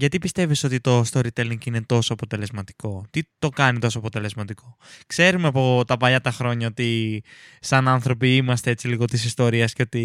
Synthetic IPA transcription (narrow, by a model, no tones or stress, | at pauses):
ʝɐt̪ipist̪e̞viso̞t̪it̪o̞st̪o̞ɾit̪eliŋɡine̞t̪o̞soɐpo̞t̪e̞le̞zmɐt̪i̥ko̞t̪it̪o̞kɐnit̪o̞soɐpot̪e̞le̞zmɐt̪ikʰo̞kse̞ɾumeɐpo̞t̪ɐpɐʎɐt̪ɐxɾo̞ɲɐo̞t̪i | sɐnɐnθɾo̞piimɐst̪ee̞t͡siliɣo̞t̪isist̪oɾiɐsceo̞t̪i